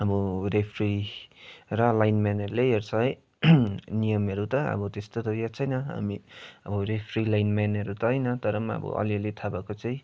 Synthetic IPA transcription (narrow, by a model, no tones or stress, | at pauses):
ʌbʌɾepʰri | ɾʌlajnmanʌɾuleeɾt͡sʰʌɦʌj | nijʌmʌɾut̪ʌʌ̰bʌt̪est̪od̪ʱʌjat͡sʰʌjnʌɦʌ̰miʌbʌɾepʰɾilajnmanʌɾut̪ʌɦʌjnʌt̪ʌɾʌmaʌ̰bʌ̰ʔʌ̰liʌlet̪ʰabakot͡sʌj̃